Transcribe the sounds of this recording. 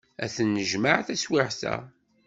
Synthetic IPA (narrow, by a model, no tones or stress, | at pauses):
æθənːəʒmaʕθæswɪʕsæ̰